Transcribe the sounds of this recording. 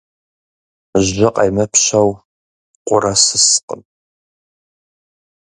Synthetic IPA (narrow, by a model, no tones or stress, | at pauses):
ʑʒɐqʼɐjmɐpʰɕɐw | qʷʊɾɐsɨsqə̰n